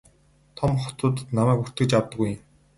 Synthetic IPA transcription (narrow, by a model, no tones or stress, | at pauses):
t̪ʰɔmχɔ̥t̪ʊːt̪namæːkur̥t̪ɡɘ̆t͡ɕawt̪ə̆ɡuj